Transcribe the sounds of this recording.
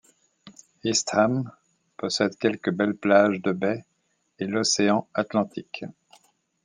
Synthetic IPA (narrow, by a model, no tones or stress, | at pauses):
ist̪χam | pɔsɛd̪kʲɛlkəbɛlplaʒd̪əbɛ | elɔseɑ̃at̪lɑ̃t̪ik